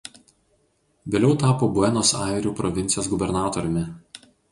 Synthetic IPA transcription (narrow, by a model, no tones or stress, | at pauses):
ʋʲeːlʲɛʊt̪ɑːpoːbʊɛnoːsɑˑɪɾʲuːpɾɔʋʲɪnt̪sʲjoːsɡʊbʲɛɾnɑːt̪ɔɾʲʊmʲɪ